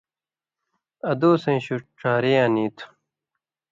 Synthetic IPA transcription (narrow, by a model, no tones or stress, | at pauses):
ɐd̪oːsẽːɕuʈ͡ʂʰaːɾejaːniːt̪ʰ